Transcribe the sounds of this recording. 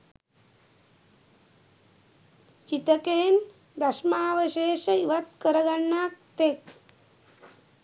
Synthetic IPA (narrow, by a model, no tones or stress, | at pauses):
t͡ʃit̪əkeːn | bɾaʂmaʋəɕeːʃəiʋat̪̚kəɾəɡaɳːaːk̚t̪ek̚